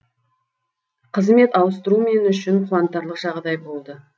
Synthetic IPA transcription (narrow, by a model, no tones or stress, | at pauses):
qʰəzme̞t̪ɑwəst̪əɾumenʏʃɪɴqʰʊwɑnt̪ːɑɾlˠəqʒ̥ɑʁd̪ɑjbo̞lˠd̪ə